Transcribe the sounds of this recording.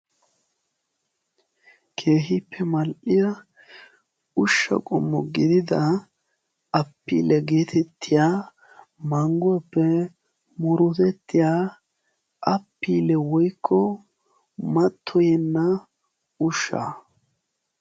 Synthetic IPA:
kʰe̞ːɦɪpʰːɛmɐlʔɪjɐ | ʊʃːɐ̰kʼɔ̰mːɔɡɪd̪ɪd̪ɐ | ɐpːḭːlɛɡe̞ːt̪ʰɛt̪ʰːɪjaː | mɐŋɡʊɐpːɛ | mʊɾʊt̪ɛt̪ːɪjaː | ʔɐpːiːlɛwɔjkʰːɔ | mɐt̪ʰːɔjɛnːɐ | ʊʃːa̰ː

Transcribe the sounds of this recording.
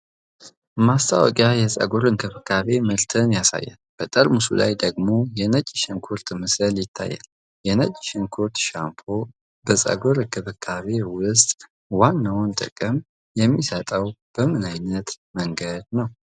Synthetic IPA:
mast̪ʰawɔ̰kʼjajɛsʼə̰ɡoɾɨŋkʰɨβɨkʰːaβe̞məlt̪ʰɨnjasa̰jːa̰nb̥ət̪ʼəɾmusṵla̰jd̪əɡmo̞jɛnət͡ʃʼːʃɪŋkʰuɾt̪ʼmɨsɨljɪt̪ʰːa̰jːa̰l | jɛnət͡ʃʼːɪʃɪnkʰuɾt̪ʃampʰo | bəsʼə̰ɡoɾɨkʰɨβɨkʰːaβe̞wʊst̪ʼ | wanːawnt̪ʼɨ̰kʼɨm | jɛmːisət̪ʼəwb̥əmɨnajnət̪məŋɡəd̪nəw

